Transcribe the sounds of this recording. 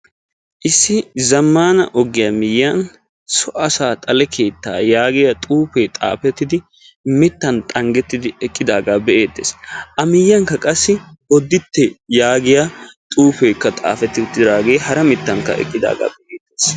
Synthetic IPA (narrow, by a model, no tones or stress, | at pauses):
ʔɪsːɪzɐmːaːnɐ̰ʔɔɡɪjɐmɪjːɐn | sɔʔɐsaːt̪ʼɐlɛkʰe̞ːt̪ːa̰ːjaːɡɪjɐt̪ʼuːpeːt̪ʼa̰ːfɛt̪ːɪd̪ɪ | mɪt̪ːɐnt̪ʼɐŋɡɛt̪ːɪd̪ɪɛkʼːɪd̪aːɡaːbɛʔe̞ːt̪ːeːsʔɐmɪjːɐŋkːɐkʼɐsːɪwɔd̪ːɪt̪ːɛjaːɡɪjat̪ʼuːpe̞ːkːɐt̪ʼa̰ːfɛt̪ːɪt̪ːɪɾaːɡe̞ːhɐɾɐmɪt̪ːɐŋkːɐ̰ɛ̰kʼːɪd̪a̰ːɡa̰ːbɛʔeːd̪ːeːs